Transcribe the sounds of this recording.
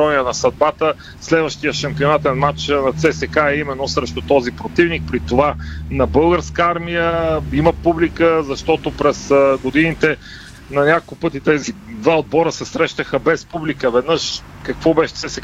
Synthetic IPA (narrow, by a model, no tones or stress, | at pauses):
ɔniənɐsɐd̪̚bat̪ə | slɛd̪vəʃt̪ijəʃɐmpionat̪ɛnmat͡ʃnɐt̪sɛsɛkaɛimɛnːosɾɛʃt̪ot̪ɔzipɾot̪ivnik̚pɾit̪ovanɐbɤlˠɡəɾskəaɾmijəiməpublikəzɐʃt̪ɔt̪opɾɛsəɡod̪init̪ɛ | nɐnʲakokˠkopɤt̪it̪ɛzid̪vaod̪̚bɔɾəsɛsɾɛʃt̪əxəbɛspublikəvɛd̪nɤʃ | kɐkvɔbɛʃɛ̥t̪sɛsɛk